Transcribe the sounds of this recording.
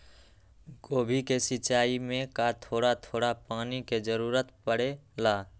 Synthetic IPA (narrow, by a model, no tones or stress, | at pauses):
ɡoːbʱikesɪːt͡ʃaːimẽkat̪ʰoːɽat̪ʰoːɽapaːniked͡ʒəɾuːɾət̪pəɽelaː